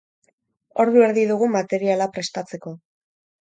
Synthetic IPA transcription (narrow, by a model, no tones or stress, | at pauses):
o̞ɾðue̞ɾðiðuɣumat̪e̞ɾialapɾe̞st̪at͡se̞ko̞